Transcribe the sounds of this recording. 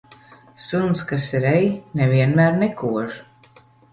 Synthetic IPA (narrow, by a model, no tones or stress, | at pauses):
sunskasiɾɛjnɛviɛnmæːɾnɛkʰuɔʒ